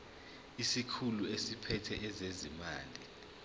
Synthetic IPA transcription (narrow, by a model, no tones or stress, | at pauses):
isikʰuluesipʰɛtʰɛʔɛzezima̰ːli